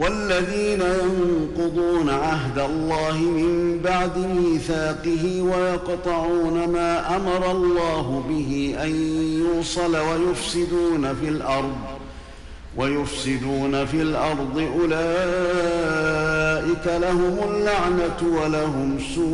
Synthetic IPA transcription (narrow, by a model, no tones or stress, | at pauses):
walːaðiːnajɑɴqʊd̪ˤuːnaʕaɦd̪alˤːɑːɦɪmɪmbaʕd̪ɪmiːθaːqɪɦiwajɑqt̪ˤɑʕuːnamaːʔamɑɾˤɑlˤːɑːɦʊbɪɦiʔanjuːsˤɑlawajʊfsɪd̪uːnafilʔɑɾˤd̪ˤ | wajʊfsɪd̪uːnafilʔɑɾˤd̪ˤɨʔʊlaː | ʔɪkalahʊmʊlːaʕnat̪walaɦʊmsuː